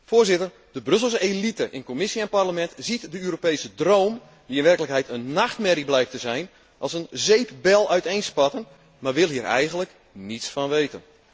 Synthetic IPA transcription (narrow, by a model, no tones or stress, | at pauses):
fʊːrzɪtər | d̥əbrɵs̬l̩ˠselitəʔɪnkomɪsiɛnparləmɛntz̥itdəyːɾopejsədrowm | ʋiɪnʋɛrkələkɦɛjtənːaxtmɛɾiblɛjk̚təzɛjn | ʔɑlˠsənzejpbɛlˠœɥtejnspɑtən | marʋɪlˠɦiːɾɛ̰jɣənlək | nitsfɑnʋejtə̰n